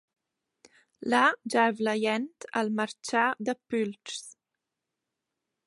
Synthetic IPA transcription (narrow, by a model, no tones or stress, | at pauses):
lad͡ʒaɛvləjɛnt̪əlməɾt͡ʃad̪əpylts